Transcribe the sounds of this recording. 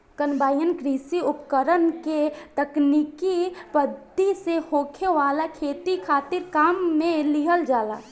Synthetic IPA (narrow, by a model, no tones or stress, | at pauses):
kənbaːjənkɾiːsiʊpkəɾənket̪əknikipəd̪ːisehoːkʰeʋaːlakʰeːt̪ikʰaːt̪ɪɾkaːmːẽliɦəld͡ʒaːla̰ː